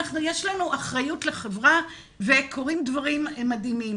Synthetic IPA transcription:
aχnujeʃlanuʔaχʁajutleχevʁa | ve̞kʰo̞ʁimdvaʁimmadimim

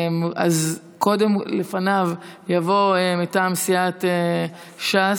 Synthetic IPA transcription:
ma̰z | kʰo̞de̞mle̞fanavjavo̞emitaːmsiat̪e | ʃa

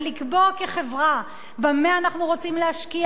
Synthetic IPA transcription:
likbo̞keχe̞vʁa | bameaːnaχnuʁo̞t͡simleɦaʃki

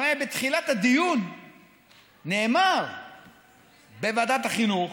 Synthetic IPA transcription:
ebet̪χilat̪ad̪ijun | eːmaʁ | bevad̪at̪aχinuχ

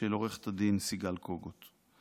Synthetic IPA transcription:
eloʁeχt̪ad̪insiɡalkoɡot̪

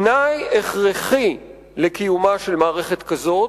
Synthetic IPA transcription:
najeχʁeχi | lekijumaʃe̞lmaːʁeχet̪kazo̞

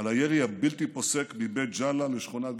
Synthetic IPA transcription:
alajeʁiabilt̪iposekbibet̪̚d͡ʒalaleʃχonat̪̚ɡ

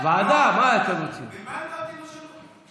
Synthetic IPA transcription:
ʋaːd̪amãkəɾũt͡ʃʰṵ

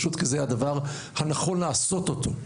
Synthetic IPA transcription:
ʃut̪kezehad̪avaʁ | hanaχo̞nlaːso̞t̪o̞t̪ʰo̞

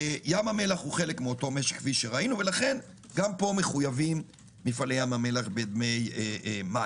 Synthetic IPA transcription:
jamame̞laχhuχe̞lekmeo̞to̞me̞ʃe̥χkːviʃeʁainuve̞laχe̞n | ɡampo̞me̞χujavim | mifalejamame̞laχbed̪mejeema

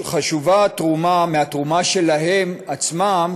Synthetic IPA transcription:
χaʃuvatʁumameat̪ʁumaʃe̞lahemat͡smam

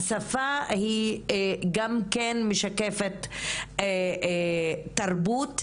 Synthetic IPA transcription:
safahi | ɡamkenmeʃakefet̪e | aʁbut̪

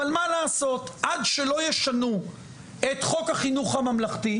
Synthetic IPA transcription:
almalaːso̞tʔadʃelo̞jeʃanu | etχo̞khaχinuχhamamlaχti

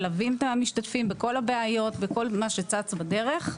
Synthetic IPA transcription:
lavimt̪amiʃtatfimbeko̞labeajo̞tveko̞lmaʃet͡sat͡sbade̞ʁe̞χ

